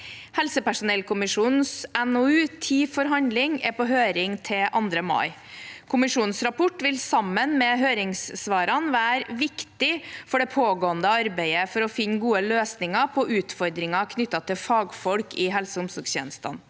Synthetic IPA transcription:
hɛlsəpæʂʊnɛlkʊmɪʂuːnn̩sɛnoʉːt̪ʰiːfɔɾɦɑnd̪lɪŋɛpɔɦøːɾɪŋt̪ʰɪʔɑnd̪ɾəmɑ̰ɪkʰʊmɪʂuːnnsɾɑpɔʈːʋɪlsɑmːənmɛɦøːɾɪŋssʋɑːɾɑnʋæːɾʋɪkt̪ɪfɔɖɛpʰoːɡoːənd̪əɑɾbæɪəfɔɾɔfɪnːɡuːəløːsnɪŋɑpʰɔʔʉːt̪fɔɾd̪ɾɪŋɑkʰnʏt̪ːɑt̪ʰɪfɑːɡfɔlkɪɦɛlsəʊmsɔɡsçjɛ̰ːnəst̪ɑ̰n

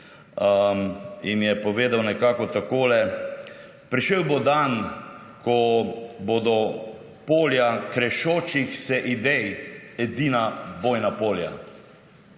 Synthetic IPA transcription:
imjɛpɔʋeːd̪awnɛkaːkɔt̪akoːlɛ | pɾiʃewbod̪an | kʰɔbod̪ɔ | poːljakɾɛʃoːt͡ʃixsɛʔid̪ɛjɛd̪iːnabojnapoːlja̰

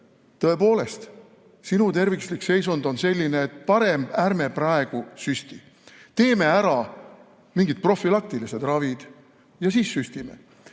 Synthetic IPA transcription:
t̪ɤ̞e̞po̞ːle̞st̪ | sinut̪e̞rvikslikse̞jsund̪̥o̞nse̞lʲːineːt̪ːˑpɑɾe̞mb̥æɾme̞prɑe̞ɡ̥usysʲt̪i | t̪e̞ːme̞æɾɑ | miŋɡit̪̚pro̞fːilɑk̚t̪ilise̞d̪̥rɑvid̪̥ | jɑsiːsːyst̪ime̞̰

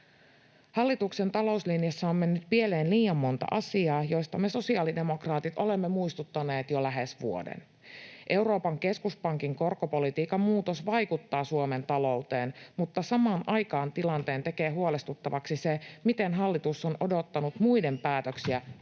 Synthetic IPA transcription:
hɑlːit̪ukse̞nt̪ɑlo̞uslinijɑsːɑo̞mme̞nːyt̪pieleːnliːjɑmːo̞nt̪ɑ̰ʔɑsiɑːjo̞jst̪ɑme̞so̞siɑːlide̞mo̞krɑːt̪it̪ʔo̞le̞mːemuist̪ut̪ːɑne̞ːt̪jolæɦesʋṵo̰dḛn | ʔe̞wɾo̞ːpɑŋke̞skuspɑŋkiŋko̞rkopo̞lit̪iːkːɑmuːt̪o̞sʋɑjkut̪ːɑːsuome̞nt̪ɑlo̞ut̪e̞ːnmut̪ːɑsɑmɑːnʔɑjkɑːnt̪ilɑnt̪e̞ːnt̪e̞ke̞ːɦuole̞st̪ut̪ːɑʋɑksisemit̪e̞nɦɑlːit̪usːonʔo̞do̞t̪ːɑnut̪mujde̞mpæːt̪øksiæ

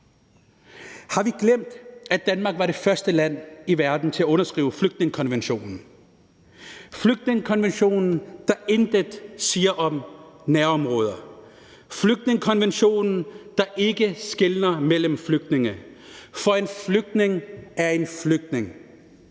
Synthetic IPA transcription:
hɑ̈ʋiɡ̥lem̰d̥æd̥ænmɑ̈ːɡ̥ʋɑ̈ɾe̝fɶɐsd̥əlæn̰iʋæɐd̥n̩t͡sʰe̝æɔ̽nɐsɡ̥ʁḭːʊəfløɡ̥̚d̥ne̝ŋəkʰɒ̽nʋenɕo̝̰ːnn̩ | fløɡ̥̚d̥ne̝ŋəkʰɒ̽nʋenɕo̝̰ːnn̩d̥ɑ̈end̥əd̥siːɐʔɒ̽mnæɐɒ̽mʁɔːð̞ˠɐ | fløɡ̥̚d̥ne̝ŋəkʰɒ̽nʋenɕo̝̰ːnn̩d̥ɑ̈ʔe̝ɡ̥əsɡ̥e̝lnɐmel̰əm̩fløɡ̥̚d̥ne̝ŋəfɒ̽enfløɡ̥̚d̥ne̝ŋæɐe̝nfløɡ̥̚d̥ne̝ŋ

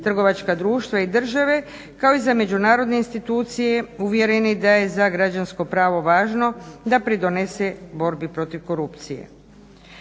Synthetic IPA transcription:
t̪r̩ɡo̞ʋat͡ʃkad̪ɾuːʃt̪ʋaid̪r̩ʒaʋe̞ | kao̞izame̞d͡ʑunaːɾo̞d̪neinst̪it̪uːt̪sije̞uʋje̞ɾenid̪aje̞zaɡɾad͡ʑansko̞pɾaːʋo̞ʋaːʒno̞d̪apɾid̪o̞ne̞sebo̞ɾbipɾo̞t̪iʋko̞ɾupt̪sijḛ

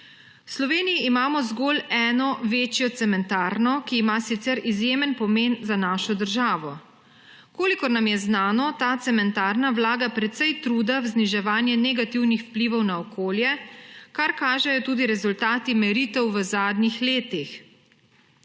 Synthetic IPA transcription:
wslɔʋeːnijiːmaːmɔzɡoːlɛːnɔʋeːt͡ʃjɔt̪sɛmɛnt̪aːɾnɔkiːmasit̪sɛɾizjemənpɔmeːnzanaːʃɔd̪əɾʒaːʋɔ | koːlikɔɾnamjɛznaːnɔt̪aːt̪sɛmɛnt̪aːɾnawlaːɡapɾɛt̪sɛjt̪ɾuːd̪awzniʒɛʋaːnjɛnɛɡat̪iwnixwpliʋɔwnaɔkʰoːljɛkaɾkaːʒɛjɔt̪uːd̪iɾɛzult̪aːt̪imɛɾiːt̪ɛwʋəzaːd̪nixleːt̪ix

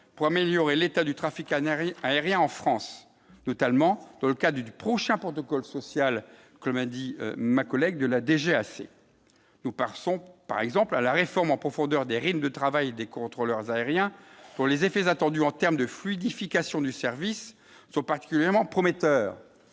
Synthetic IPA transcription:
puʁameljɔʁelet̪ad̪yt̪χafikaaeʁjɛ̃ɑ̃fχɑ̃s | nɔt̪almɑ̃d̪ɑ̃ləkad̪ʁd̪ypχɔʃɛ̃pχɔt̪ɔkɔlsɔsjal | kɔmad̪ḭmakɔlɛɡ̚d̪əlad̪eʒeasḛ | nupaʁsɔ̃pa̰ʁɛɡzɑ̃plalaʁefɔʁmɑ̃pχɔfɔ̃d̪œʁd̪eʁid̪md̪ət̪χavajd̪ekɔ̃t̪χɔlœʁzaeʁjɛ̃d̪̥ɔ̃lezefɛzat̪ɑ̃d̪yɑ̃t̪ɛʁmd̪əflid̪ifikasjɔ̃d̪ysɛʁvisː | ɔ̃paʁt̪i̥kʲyljɛʁmɑ̃pχɔmet̪œːʁ

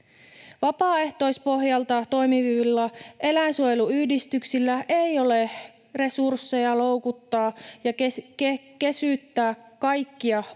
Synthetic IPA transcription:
ʋɑpɑːe̞ht̪o̞ispo̞ɦjɑlt̪ɑt̪o̞jmiʋiʋilːɑe̞læinsuojeluyhdist̪yksilːæʔejo̞le̞ | re̞sursːe̞jɑlo̞wkut̪ːɑːjɑkkke̞syˑt̪ːæːkːɑjkːiɑ

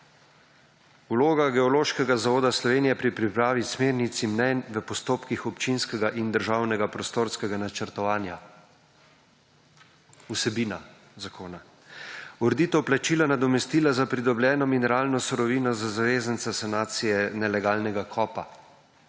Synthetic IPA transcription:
uloːɡaɡɛɔloːʃkɛɡazaʋoːd̪aslɔʋeːnijɛpɾipɾipɾaːʋismeːɾnit̪simnɛnʋəpɔst̪oːpkixɔpt͡ʃinskɛɡaʔind̪əɾʒawnɛɡapɾɔst̪oːɾskɛɡanat͡ʃəɾt̪ɔʋaːnja | usɛbiːna | zakʰoːna | uɾɛd̪it̪ɛwplat͡ʃiːlanad̪ɔmɛst̪iːlazapɾid̪ɔbljɛːnɔminɛɾaːlnɔsuɾɔʋiːnɔzazaʋeːzənsasanaːt̪sijɛnɛlɛɡaːlnɛɡakʰɔːpa

